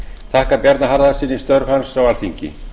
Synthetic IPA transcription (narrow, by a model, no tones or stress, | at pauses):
θʰahkapjɛɾt̪naɦaɾðasiːnːist̪œɾvhansːawalfiɲcɪ̰